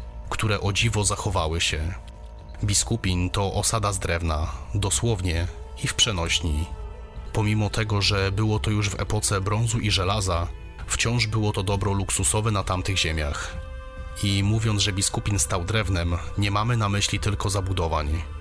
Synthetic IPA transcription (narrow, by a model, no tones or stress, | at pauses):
kt̪uɾɛʔɔd͡ʑivɔzaxɔvawɘɕɛ | bʲiskupʲint̪ɔʔɔsad̪azd̪ɾɛvnad̪ɔswɔvɲɛ | ifpʂɛnɔɕɲi | pɔmʲimɔt̪ɛɡɔʐɛbɘwɔt̪ɔjuʐvɛ̰pɔt̪sɛbɾɔnzuʔiʐɛlaza | ft͡ɕɔ̃w̃ʐbɘwɔt̪ɔd̪ɔbɾɔluksusɔvɛnat̪amt̪ɘɣʑemʲjax | imuvʲjɔnzʐɛbʲiskupʲinst̪awd̪ɾɛvnɛmɲɛmamɘnamɘɕlʲit̪ɘlkɔzabud̪ɔvaɲ